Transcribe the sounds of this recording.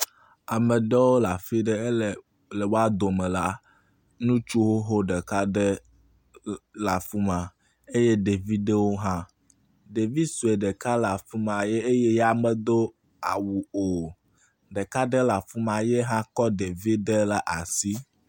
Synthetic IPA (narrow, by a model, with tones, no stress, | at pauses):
a˨mɛ̃˨ɖɛ˦wo˦la˨fi˦ɖə˦˨ | le˨wo˦a˦d̪o˨mɛ̃˨la˦ | nũ˦t͡ʃu˦wo˦ɦo˦ɖɛ˨ka˦ɖɛ˦ | la˨fu˦mã˨ | e˦je˦ɖe˨vi˦ɖe˦wo˦ɦã˦ | ɖe˨vi˦su˨e˨ɖɛ˨ka˦la˨fu˦mã˨je˦e˦je˦jɛ˦a˨mɛ˨d̪o˦ | a̰˨wu˨o˨ | ɖe˨ka˦ɖɛ˦la˨fu˦mã˨je˦ɦã˦kɔ˦ɖe˨vi˦ɖe˦la˨ʔa˨si˦